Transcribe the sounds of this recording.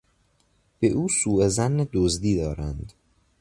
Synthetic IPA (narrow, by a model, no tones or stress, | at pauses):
b̥eʔuːsuːezænːed̪ozd̪iːd̪ɒːɾænd̪